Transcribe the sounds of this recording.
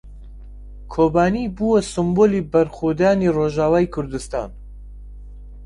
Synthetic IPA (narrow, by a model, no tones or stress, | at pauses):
kʰoːbaːnibuːwɐsɨmboːliːbɐɾxod̪aːniroʒaːwaːjkʰʊɾd̪ɨst̪a̰ːn